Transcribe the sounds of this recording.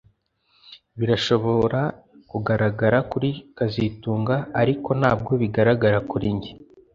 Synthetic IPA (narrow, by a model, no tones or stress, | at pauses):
βiɾaʃo̞βo̞ɾa | kuɡaɾaɡaɾakuɾikazituːŋɡaːɾiko̞naːb̚ɡo̞βiɡaɾaɡaɾakuɾiɲɟe